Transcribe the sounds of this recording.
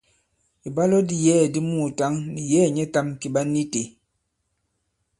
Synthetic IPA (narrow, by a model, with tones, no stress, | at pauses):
i˨ba˦lɔ˦di˦jɛː˦˨di˦mu˦˨ta˦ŋni˨jɛː˦˨ɲɛ˦ta˦mki˨ɓa˦ni˦te˨